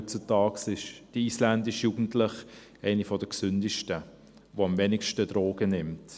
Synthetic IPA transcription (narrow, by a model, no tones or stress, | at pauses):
t͡sutɑːksɪʃd̥əiːslændɪʃjuːɡ̥n̩tlɪχ | ɛɪnifɔdəksʏndɪʃtə | ʋoɑmvɛnɪkʃtəd̥ɾoːɡənɪmt